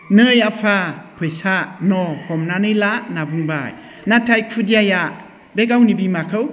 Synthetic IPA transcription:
nɯjapʰapʰɯjsanɔhɔmnanɯjlaʔnabuŋbaj | natʰajkʰudiaja | beɡawnibimakʰɯw

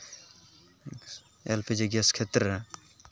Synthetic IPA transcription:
elpʰed͡ʒeɡeskʰet̪ɾɐ

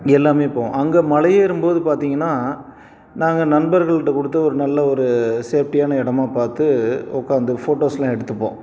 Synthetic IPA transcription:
ɛlːaːmeːpõ̰ːɐŋɡɐːmɐlɐjeːɪɾɯmboːðɯpaːɾt̪iːŋɡɐnːaː | naːŋɡɐnɐnbɐɾɣɐɭɯʈːɐkɔɽɯt̪̬ːɐɔɾɯnɐlːɐɔɾɯseːfʈɪjaːnɐɪɽɐmaːpaːɾt̪ɯɔkːaːnd̪ɯfoːʈoːslãːɛɽɯt̪ːɯpːõ̰ː

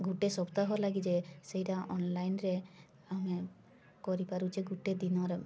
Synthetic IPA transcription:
ɡuʈesɔbt̪aɦɔlaɡid͡ʒesejʈaɔnlajnɾe | ame | kɔɾipaɾut͡ʃʰiɡuʈed̪inɔɾe

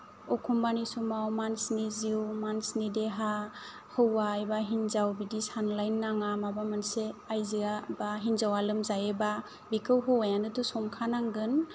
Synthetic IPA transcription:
ɔkʰumbanisumawmansniziwmansnideɦa | hɯwajbaɦinzawbidisanlajnːaŋamabamanseajziabaɦinzawalɯmzajeba | bikʰɯwɦɯwajanɯtusɔŋkʰanaŋɡɯn

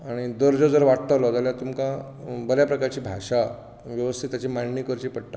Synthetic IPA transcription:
aɽ̃id̪əɾd͡zod͡zəɾʋaʈt̪alɔd͡z̪aljat̪umkã | bəljapɾəkaɾt͡ɕiːbʱaɕa | ʋjəʋəst̪ʰit̪at͡ɕimaɳnikəɾt͡ɕiːpəɽʈa

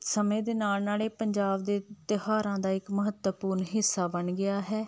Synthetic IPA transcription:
səmẽːd̪eːnaːlnaːleːpəɲd͡ʒaːbd̪eːt̪ɪhaːɾãːd̪aːɪkməɦət̪wəpuːɾnɦɪsːaːbənɡɪaːɦɛː

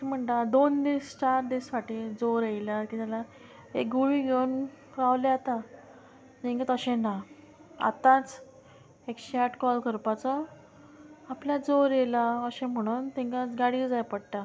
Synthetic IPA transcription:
im̤əɳt̪ad̪ond̪ist͡ɕaɾd̪issaʈiːd͡zoɾejlakit̪ala | ḛk̚ɡuɭiːɡʱen | kaʋleat̪a | t̪ẽŋkat̪əɕẽna | a̰t̪ãt͡s | ekɕeaʈʰkɔlkʰəɾpat͡sɔ | apljad͡zoɾjelaəɕẽm̤əɽ̃uːnt̪ɛ̃ŋkãɡaɽiːd͡zajpəɽʈ̪a

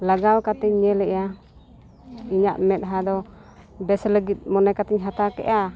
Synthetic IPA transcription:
laɡalkat̪ɛɲːɛlɛja | iɲaʔmɛt̪̚ɦad̪ɔ | bɛsləɡit̪̚ˀmɔnajkat̪ɛɲɦat̪akɛ̰ʔa

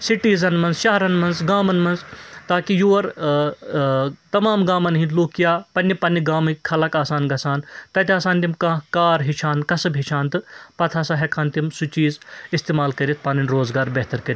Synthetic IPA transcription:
siʈiːzɐnmɐnzʃɐɦɐɾɐnmɐnzɡaːmɐnmɐnzt̪aːkijuːɐɾ | t̪ɐmaːmɡaːmɐnɦĩnloːkijaːpɐnːipɐnːiɡaːmɨkʲkʰɐlɐkaːsaːnɡɐsaːnt̪ɐt̪ʲiaːsaːnt̪̬imkɐ̃kaːɾɦit͡ʃʰaːnkɐsɐbʱit͡ʃʰaːnt̪ɨpɐt̪ʰasaɦekʰaːnt̪imsut͡ʃiːzist̪eːmaːlkɐɾit̪̚ʰpaːnɐnɾoːzɡaːɾbeɦt̪ɐɾkɐɾʲit̪

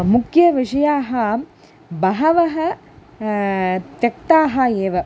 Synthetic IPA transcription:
mukjɐʋiʂɐjaːɦɐ | bɐɦɐʋɐɦɐ | t̪jɐk̚t̪aːɦɐeːʋɐ

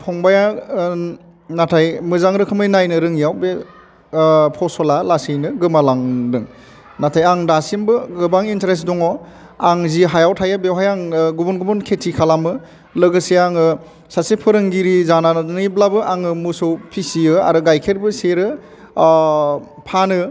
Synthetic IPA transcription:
pʰɔŋbaja | natʰajmɯzaŋɾɯkʰɯmɯjnajnɯɾɯŋijawbe | pʰɔsɔlalasijnɯɡɯmalaŋdɯŋ | natʰajaŋdasimbɯɡɯbaŋinteɾesdɔŋɔ | aŋziɦajawtʰajabewɦajaŋɡubunɡubɯnkʰetʰikʰalamɯ | lɯɡɯseaŋɯ | sasepʰɯɾɯŋɡiɾizananniblabɯʔaŋɯmusɯwpʰisiɯa̰ɾɯɡajkʰeɾbɯseɾɯ | pʰanɯ

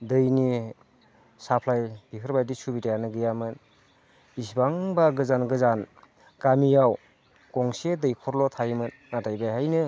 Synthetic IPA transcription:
dɯjni | sapʰlajb̥ikʰɯɾbajdisubitajanɯɡɯjamɯn | isbaŋbaɡɯzanɡɯzan | kamijaw | kɔŋsedɯjkʰɔɾlɔtʰajmɯnːatʰajbajɦajnɯ

